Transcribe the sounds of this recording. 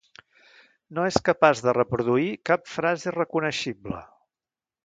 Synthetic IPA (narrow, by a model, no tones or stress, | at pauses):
noeskəpazðərəpɾuðuikapfɾazirəkunəʃiblə̰